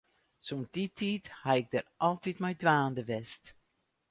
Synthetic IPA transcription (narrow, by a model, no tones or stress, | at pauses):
sonditʰiːthaɪɡ̚dərʔɑlˠtitmɛjdʋaːndəʋɛst